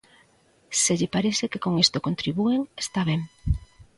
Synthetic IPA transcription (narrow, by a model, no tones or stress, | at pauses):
seʎɪpaɾeθekekoŋest̪okont̪ɾiβueŋest̪aβ̞eŋ